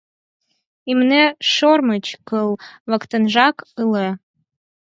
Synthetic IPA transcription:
imneʃormət͡ɕkəlˠβə̆kt̪ənʒɑkɯle

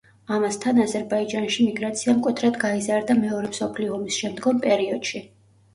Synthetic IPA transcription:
amast̪ʰanazɛɾbaid͡ʒanʃimiɡɾat̪sʰiamkʼwɛt̪ʰɾad̪ɡaizaɾd̪amɛɔɾɛmsɔpʰliɔɔmisʃɛmd̪ɡɔmpʼɛɾiɔd̪̥ʃi

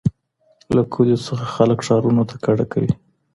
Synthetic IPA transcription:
lakʰod̪esəxaxaləkʂɑɾunot̪ʰḁkaɽakawi

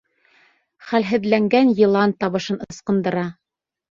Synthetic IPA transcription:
χælɦɘ̆ðlæŋɡænjɤ̆lˠɑnt̪ɑβɤ̆ʃɤnɤ̆ɤ̆sqɤ̆nd̪ɤ̆ɾɑ

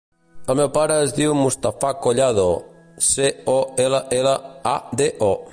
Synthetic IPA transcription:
əlˠmewpaɾəːzdiwmust̪afakoʎaðo | seɔeləʔɛləad̪eʔɔ

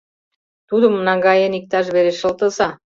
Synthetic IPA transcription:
t̪ud̪əmːənɑŋɡɑjenik̚t̪ɑʃ̬βeɾeʃə̆lt̪ə̆sɑ

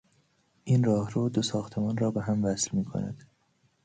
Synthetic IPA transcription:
ʔiːnrɒːhɾuːd̪osɒːxt̪ʰemɒːnrɒːbeɦæmvæslmiːkʰo̰næ̰d̪̥

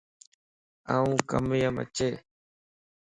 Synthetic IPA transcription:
aːũːkə̰mɪjəmə̰t͡ʃeː

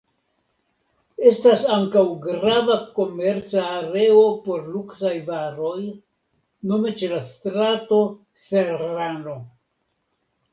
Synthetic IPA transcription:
e̞stasaŋkawɡɾavako̞me̞ɾt͡saːɾe̞opo̞ɾluksajvaɾo̞j | no̞me̞t͡ʃe̞lastɾato̞ | seano̞

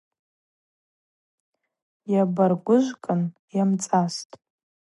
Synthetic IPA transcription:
jabarɡʷʊʒʷkʼɨnjamt͡sʼastʼ

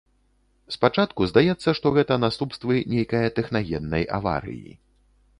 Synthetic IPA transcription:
spat͡ʂat̪kuzd̪ajɛt̪sːɐʂt̪ɔɣɛt̪ɐnast̪upst̪vɨnʲejkɐjɐt̪ɛxnaɣʲɛnːɐjʔa̰va̰ɾɨ̰jḭ

